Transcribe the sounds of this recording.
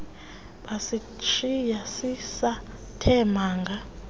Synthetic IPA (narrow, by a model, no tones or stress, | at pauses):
ɓasi | t͡ʃʰijasisa | tʰɛmaːŋɡʱa